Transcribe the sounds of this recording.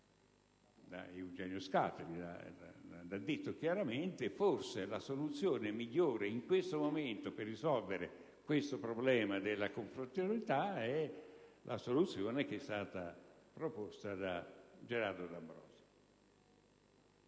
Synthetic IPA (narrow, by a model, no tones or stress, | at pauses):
d̪a̰iwd͡ʒɛːnjoska̰t̪elid̪a̰a̰d̪ad̪ːit̪ːok̟jaɾament̪ɪforselasolut̪sːjoːnɪmiʎːoːɾeiŋkwest̪omoment̪opɪrːisɔlveɾe | kwest̪opɾoblɛːmad̪elːakoɱfɾot̪olit̪aɛlʔa̰solut̪sːjoːnek̟ɛst̪aːt̪apɾopost̪ad̪ad͡ʒeɾard̪od̪ambɾɔ̰ːsi̥